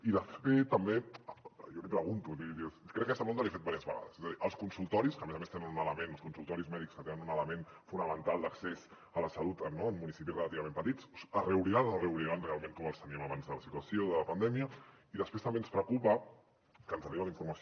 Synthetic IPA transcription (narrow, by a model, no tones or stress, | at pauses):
iðəfet̪əmbe | jɔlipɾəɣunt̪uiikɾɛkːkɛsəmond̪əliafet̪baɾiəzβə̰ɣa̰ðə̰z̥ezəðiʔəlˠskunsulˠt̪ɔɾiskəmezɐmest̪enənunələmenəlˠskunsulˠt̪ɔɾizmɛðikskət̪enənunələmenfunəmənt̪alˠd̪əkses | ələsɐlut̪ənːommunisip̬irəlat̪iβɐmempət̪it͡ssərəuɾiɾanoreuβɾiɾanrealˠmẽŋkɔməlˠst̪əniəmaβanzðələsit̪wɐsioðələpɐnd̪ɛmiə | iðəspɾest̪əɐmbenspɾəkupə | kənəriβaliɱfuɾmɐso